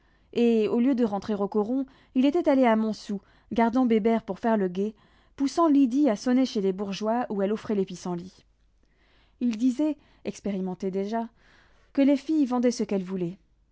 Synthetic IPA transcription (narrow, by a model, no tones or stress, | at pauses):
eoljød̪əʁɑ̃t̪χeʁokɔʁɔ̃ | ilet̪ɛt̪aleamɔ̃su | ɡaʁd̪ɑ̃bebɛʁpuʁfɛʁləɡʲe | pusɑ̃lid̪iasɔneʃelebuʁʒwauɛlɔfχɛlepisɑ̃li | ild̪izɛ | ɛkspeʁimɑ̃t̪ed̪eʒa | kəlefijvɑ̃d̪ɛsəkɛlvulɛ